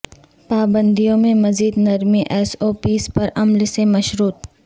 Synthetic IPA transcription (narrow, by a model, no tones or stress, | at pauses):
paːbə̃nd̪ijõmẽmɐziːd̪nɐɾmiʔɛːsoːpiːspɐɾɐmlsemɐʃɾuːt̪̚